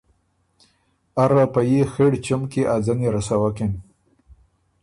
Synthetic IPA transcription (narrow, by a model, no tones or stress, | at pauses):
aɾapajexeɽt͡ʃamkeʔad͡zaneɾasawaken